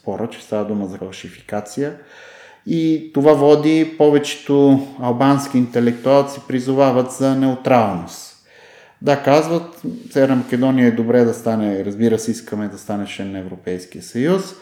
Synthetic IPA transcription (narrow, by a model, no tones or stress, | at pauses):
sspɔɾət͡ʃɛ̥st̪avɐd̪uməzɐfɐlˠʃifi̥kat̪sijə | it̪ovavɔd̪ipɔvɛt͡ʃɛ̥t̪oɐlˠbansk̟iːnt̪ɛlɛk̚t̪ualˠt̪sipɾizʊvavət̪zɐnɛʊt̪ɾalˠnost̪ | d̪akazvət̪sɛvɛɾnɐmɐkɛd̪ɔnijəɛd̪obɾɛd̪ɐst̪anɛɾɐzbiɾəsɛiskəmɛd̪ɐst̪anɛʃɛnɐɛvɾopɛjsk̟ijəsɐjus